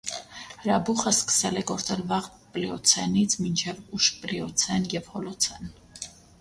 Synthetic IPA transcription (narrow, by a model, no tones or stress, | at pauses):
həɾɑbuχəskə̥sɛlɛɡɔɾt͡sɛlvɑʁ | plɛɔt͡sʰɛnit͡sʰmint͡ʃʰɛvuʃplɛɔt͡sʰɛnjɛvhɔlɔt͡sʰɛn